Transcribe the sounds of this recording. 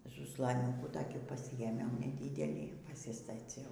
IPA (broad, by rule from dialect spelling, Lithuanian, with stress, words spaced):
zʊslˠɐˈnʲuːkuː toːˈkʲiː pɐˈsʲɪjeːmʲɛʊ nʲɛˈdʲɪdʲɛlʲiː pɐsʲɪstɐˈt͡sʲɛʊ